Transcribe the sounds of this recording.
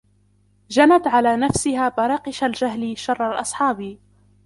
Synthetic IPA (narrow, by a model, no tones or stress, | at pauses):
d͡ʒanat̪ʕalaːnafsɪhaːbɑɾˤɑːqɪʃald͡ʒaɦliʃɑrˤːɑlʔɑ̰sˤħɑːbi